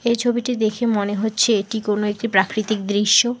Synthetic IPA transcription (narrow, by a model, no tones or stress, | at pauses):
ejt͡ɕʰobiʈid̪ekʰemoneɦotːɕʰeeʈikonoek̚ʈipɾakɾit̪ikd̪ɾiʃːo